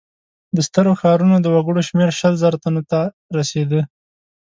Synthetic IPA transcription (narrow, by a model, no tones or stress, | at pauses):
d̪əst̪əɾoxɑɾunod̪əwaɡəɽoʃmeɾʃəlzəɾat̪anot̪a | ɾased̪ə